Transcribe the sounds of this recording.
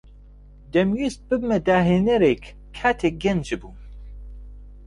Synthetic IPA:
d̪ɛmɥist̪̚bɨbmɛd̪aːɦenɛɾek | kʰːaːt̪ʰeɡɛnd͡ʒɨbu

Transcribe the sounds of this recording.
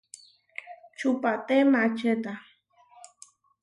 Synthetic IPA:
t͡ʃupat̪emat͡ʃet̪a

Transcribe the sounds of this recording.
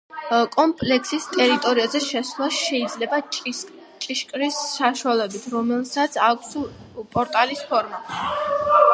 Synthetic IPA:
kʼɔmpʼlɛkʰsist̪ʼɛɾit̪ʼɔɾiazɛʃɛslˠasʃɛid̪zlɛba | t͡ʃʼiʃkʼɾisːaʃuwalɛbit̪ʰɾɔmɛlˠsat̪sʰakʷʰs | pʼɔɾt̪ʼalispʰɔɾma

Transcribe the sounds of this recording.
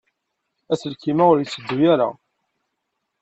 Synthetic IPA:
æsəlkimæʊɾjət͡sːəd̪ːujæɾa̰

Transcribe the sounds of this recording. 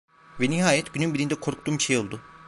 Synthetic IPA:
vɛniɦaːjɛt̪ɟynymbiɾind̪ɛkʰo̞ɾk̚t̪uːmʃejo̞lˠd̪ʊ

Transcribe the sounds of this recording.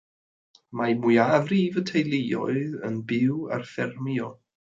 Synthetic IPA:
majmujavriːvətʰejlˠejɔ̰ɨðənbɪwa̰rfɛrmiɔ

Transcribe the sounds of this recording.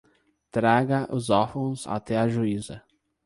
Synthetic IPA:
t̪ɾaɡɐʔʊzɔfõw̃za̰t̪ɛɐʒuizɐ

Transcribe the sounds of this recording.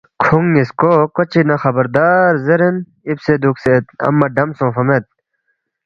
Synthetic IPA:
kʰuŋiskokot͡ɕinɐxɐbɐɾd̪aːɾzeɾen | ibsed̪ukset̪̚ɐ̰mːɐɖɐmsõːfɐmet̪̚

